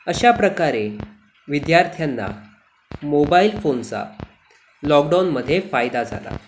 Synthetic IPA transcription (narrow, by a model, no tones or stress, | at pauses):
əɕapɾəkaɾe | ʋid̪jaɾt̪ʰjanːa̰ | mobailfont͡sa̰ | lɔkɖawnməd̪ʱːjefajd̪ad͡zʱa̰la̰